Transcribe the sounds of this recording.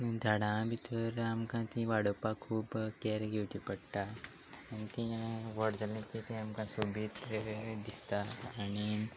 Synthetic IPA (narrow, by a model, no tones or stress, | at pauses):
d̪ʱaɽãbʱit̪ʰoɾamkãt̪ĩʋaːɽoːpakʰuːbkeːɾɡeːʈipɐɽʈa | ɐnt̪ĩʋəɽd̪ɐlĩt̪ĩt̪ĩɐmkãsubit̪d̪ist̪aɐni